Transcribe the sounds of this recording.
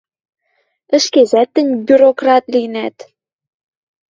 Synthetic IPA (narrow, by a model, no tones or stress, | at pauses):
ə̆ʃkezæt̪ːɘ̆nʲbʲyɾokrɑt̪linæt̪